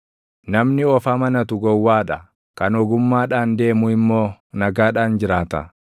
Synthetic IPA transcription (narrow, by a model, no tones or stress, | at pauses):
nɐmnɪɔfaːmɐnɐt̪ʊɡɔwːaːᶑɐ | kɐnɔɡʊmːaːᶑaːnd̪e̞ːmʊɪmːo̞ːnɐɡaːᶑaːnd͡ʒɪɾaːt̪ɐ̰